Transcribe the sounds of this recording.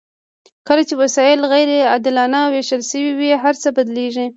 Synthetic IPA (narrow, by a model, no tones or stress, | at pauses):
kəlat͡ʃewasɑjɪlɣajɾead̪ɪlɑnaweʃəlʃəwiwiɦaɾt͡səbad̪leʒi